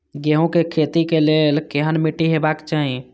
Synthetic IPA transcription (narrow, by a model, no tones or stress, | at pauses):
ɡeɦõkekʰet̪ikelelkeɦənmiʈiɦebakt͡ʃaɦi